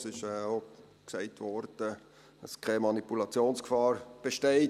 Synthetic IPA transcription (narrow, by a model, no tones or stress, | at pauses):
sɪʃɛːo | ksɛɪtʋɔɾd̥ə | əskʰɛmɑnipulɑt͡sjoːnskfɑːɾb̥eʃteɪ